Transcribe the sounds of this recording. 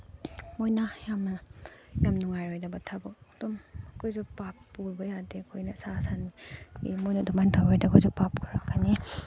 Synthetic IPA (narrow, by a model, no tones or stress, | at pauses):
mojnɐjamnɐjamnuŋajɾojdɐbɐtʰabɔd̥umkʰojzupapːuɾbɐjadekʰojnɐsasaniḭmojnɐdumantʰabajdɐkʰojzupapkʰaɾakʰani